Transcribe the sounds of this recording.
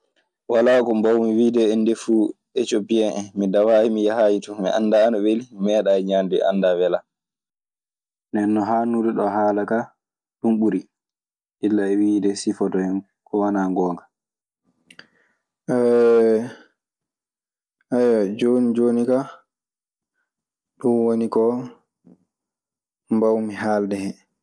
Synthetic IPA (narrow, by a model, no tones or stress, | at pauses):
walaːkɔmbawmiwiːdɛɛndɛfuː | ɛt͡ʃobijɛnʔɛmidawahimijaɦajitumḭʔa̰ndaːnɔwelimɛːɗaɛɲanduɛ̰ʔa̰nːdawɛla | nɛnːɔɦaːnuɾɛɗɔɦaːlaka | ɗumɓuɾi | ilːaɛwidɛsifɔdɔjɛn | kʰɔwanaŋɡɔːŋɡḁ | ʔɛ | ʔajad͡ʒonid͡ʒoːnika | ɗunwonikɔ | mbawmiɦaːldɛhɛ